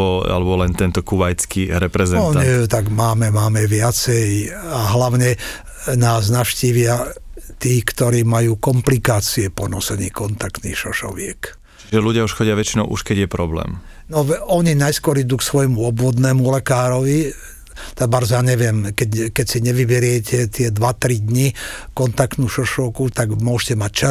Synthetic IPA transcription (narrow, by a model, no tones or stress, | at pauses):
ɔa̰lɛbɔlɛnt̪ɛnt̪ɔkuʋajt͡skiɾɛpɾɛzɛnɔɲit̪aɡmaːmɛmaːmɛʋɪat͡sɛjaɦlaʊɲɛ | naːznaʃciːʋɪat̪iːkt̪ɔɾiːmajuːkɔmplikaːt͡siɛpɔnɔsɛnḭːkɔnt̪akt̪nḭːxʃɔʃɔ̰ʋɪɛk | t͡ʃiʒɛluɟɪauʃxɔɟɪaʋɛt͡ʃinɔʊʔuʃkɛɟjɛpɾɔblɛ̰ːm | nɔʋɔɲinajskɔɾid̪uːksʋɔjmuɔbʋɔd̪nɛːmulɛkaːɾɔʋi | t̪aɡbaɾzjaɲɛʋɪɛmkɛckɛcsiɲɛʋibɛɾɪɛcɛt̪ɪɛd̪ʋat̪ɾid̪ɲikɔnt̪akt̪nuːʃɔʃɔʊkut̪aɡmʊɔʒcɛmac̚t͡ʃa